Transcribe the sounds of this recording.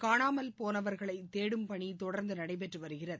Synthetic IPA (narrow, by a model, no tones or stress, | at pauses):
kaːɳaːmɐlpoːnɐʋɐɾɣɐɭɐɪt̪eːɽɯmpɐɳit̪ɔɽɐɾnd̪ɯnɐɽɐɪp̬ɛʈrɯʋɐɾɯɣɪrɐð